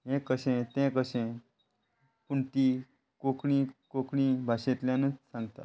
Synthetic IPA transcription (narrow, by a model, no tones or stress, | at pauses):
ɦẽkəɕẽt̪ẽkəɕẽ | kuɳʈ̪i | kokɽĩkokɽĩbʱaɕet̪ljãnət͡ssãŋɡt̪a̰